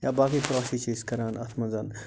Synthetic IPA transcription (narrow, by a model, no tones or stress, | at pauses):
jaːbaːkipɾaːsit͡ʃeːskɐɾaːnɐt̪ʰmɐ̃nzaːn